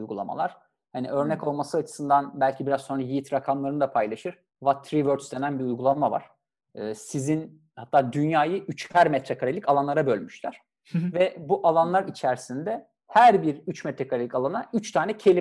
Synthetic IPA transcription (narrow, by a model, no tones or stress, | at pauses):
ujɡulˠa̰ma̰lˠaɾ̥ | hanḭø̞ɾnɛco̞lˠmasɯat͡ʃʰɯ̥sɯnd̪anbælʲcʰibiɾazso̞nɾajijit̪ɾakʰamlˠaɾɯnɯd̪apʰajlˠaʃɯɾ̥ | vat̪ʰːɾivøɾt̪sd̪e̞nænbiujɡulˠamava̰ɾ̥ | ɯːsizin | hat̪ʰːaːd̪ynjaːjɯyt͡ʃhæɾmɛt̪ʰɾɛkʰaɾalʲicalˠanlˠaɾabølʲmyʃlʲæɾ̥ | vɛbuʔalˠanlˠaɾit͡ʃʰæɾsind̪ɛ | hæɾbiɾyt͡ʃmɛt̪ɾɛkʰaɾalʲickalˠanayt͡ʃt̪ʰaːnɛcʰe̞lʲi